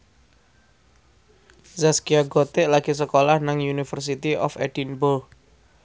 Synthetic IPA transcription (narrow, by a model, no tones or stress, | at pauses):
zaskiaɡot̪ɪʔlaɡ̥is̬əkolahnaŋjunifərs̬it̪iɔ̰fɛ̰d̥inbol